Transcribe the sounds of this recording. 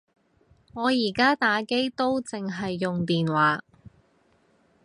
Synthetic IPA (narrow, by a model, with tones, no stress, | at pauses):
ŋɔː˨˧jiː˨˩kaː˥t̪aː˨˥ke˥jt̪o˥wt͡sɪ˨ŋɦɐ˨jːʊ˨ŋt̪iː˨nwaː˨˥